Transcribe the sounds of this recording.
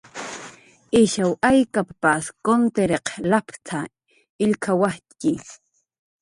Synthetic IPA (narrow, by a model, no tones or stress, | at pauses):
ɪʃawajkapaskont̪eɾeqlapt̪ʰa | ɪʎkʰawakɪ